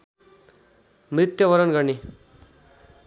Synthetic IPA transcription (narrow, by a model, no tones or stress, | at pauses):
mrit̪jʌbʌɾʌnɡʌrne